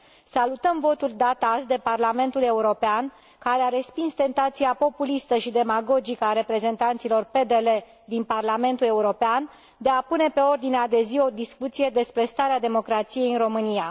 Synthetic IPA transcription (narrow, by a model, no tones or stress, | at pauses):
salut̪əmvo̞t̪uld̪at̪asd̪e̞parlame̞nt̪ule̞uɾo̞pean | kaɾeaɾe̞spinst̪e̞nt̪at̪siapo̞pulist̪əʃid̪e̞maɡo̞d͡ʒikəaɾe̞pɾe̞ze̞nt̪ant̪silo̞rpe̞d̪e̞le̞ | d̪inparlame̞nt̪ule̞uɾo̞pean | d̪e̞apune̞pe̞o̞rd̪inead̪e̞zio̞d̪iskut̪sije̞d̪e̞spɾe̞st̪aɾead̪e̞mo̞kɾat̪sije̞jɨnro̞mɨnija